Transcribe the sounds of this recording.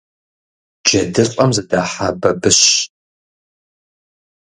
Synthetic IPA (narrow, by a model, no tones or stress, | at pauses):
d͡ʒɐdɨɕʼɐmzɐdaːħabɐbɨɕ